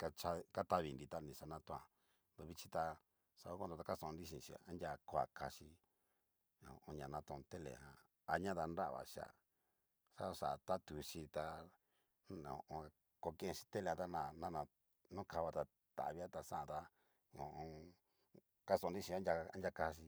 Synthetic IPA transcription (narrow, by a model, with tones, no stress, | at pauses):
ka˧t͡ʃa˧ka˦t̪a˦βi˨nd̪i˧t̪a˦nĩ˧˨ʂa˧nã˦t̪õ˧ã˨ | nd̪o˧βi˧t͡ʃi˦t̪a˧ | sa˧˨o˦ko˦d̪o˧t̪a˧ka˦sõ˧nɾi˦ʃĩ˧˨ʃĩ˧˨a˦ndʲa˧ko˧˦a̰˨ka˧ʃi˧ | õ̰˨ʔõ˧ɲã˨nã˧t̪õ˧t̪e˦lḛ˨hã̰˧ | a˧ɲã˦ða˧nɾa˦ʔβa̰˨ʃa̰˨ | sa˦˧ʂa˨t̪a˦t̪u˨ʃi˧t̪a˧ | nõ̰˨˧ʔõ˧ | ko˧kẽ˦ẽ˧ʃi̥˧t̪e˦le˧˨ã˧t̪a˦nã˨nã˦nã˧ | nõ˦ka˧βa˧t̪a˧ | t̪a̰˨βi˦a˦t̪a˧sã˦ʔã˧t̪a˧ | õ˨ʔõ˧ | ka˦sõ˧˨˧nɾi˦ʃĩ˧ã˦ndʲa˧a̰˦ndʲja˧ka˧˦˧ʃ̬i˧